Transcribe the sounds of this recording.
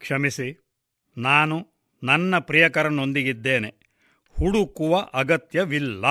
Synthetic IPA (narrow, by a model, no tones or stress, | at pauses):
kʂɐmisi | naːnu | nɐnːɐpɾijɐkɐɾɐnond̪iɡid̪ːe̞ːne | huɽukuʋɐʔɐɡɐt̪jɐʋilːɐ